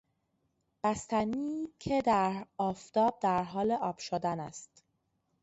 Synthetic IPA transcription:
b̥æst̪æniːcʰed̪æɾɒːft̪ʰɒːb̚d̪æɾɦɒːleʔɒːb̥ʃod̪ænæ̰st̪

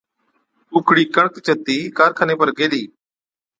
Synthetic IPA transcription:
puːkʰɽiːkəɳəkt͡ʃət̪iːkaːɾkʰəneːpəɾɡeːliː

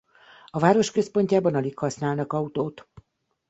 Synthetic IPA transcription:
ɒvaːɾo̞ʃkø̞spo̞ɲcaːbɒnɒlikhɒsnaːlnɒkɒut̪oːt̪

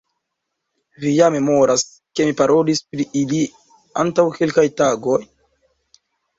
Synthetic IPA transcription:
vijame̞mo̞ɾas | ke̞mipaɾo̞lispɾiʔili | a̰ntawke̞lkajtaɡo̞j

